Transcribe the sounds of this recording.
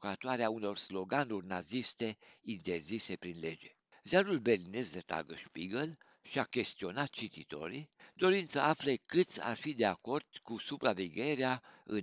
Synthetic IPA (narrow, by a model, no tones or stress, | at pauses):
kat̪oaɾeauno̞rslo̞ɡanurʲnazist̪e̞int̪e̞rzise̞pɾinle̞d͡ʒe̞ | zealulbe̞rline̞sd̪et̪a̰ɡəʃpiɡəl | ʃiakʲe̞st̪io̞nat̪̚t͡ʃit̪it̪o̞̰ɾid̪o̞ɾint̪səʔaflekɨt̪sʲa̰rfid̪e̞ako̞rd̪̥kusupɾaveɡʲe̞ɾeaɨ̰n